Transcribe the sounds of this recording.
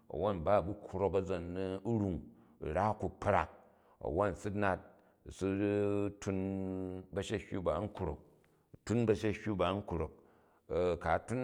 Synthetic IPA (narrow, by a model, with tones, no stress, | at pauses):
ɐ̰˨wo˦n˨ba˦˨bu˦kʰɾo˦kɐ˦d͡zo˨n˦u˦ɾu˦ŋ˨ | ɾa˦ku˨pɾa̰˨k̚ | ɐ̰˨wo˦n˨su˦na˦t̚ | su˦tu˧n | bɐ˦ʃe˦hʲu˦ba˨˦ŋ̩˦kɾo̰˨k̚ | tu˦nbɐ˦˧ʃe˦hʲu˦ba˨˦ŋ̩˦kɾo˨k̚ | ka˨˦tu˦n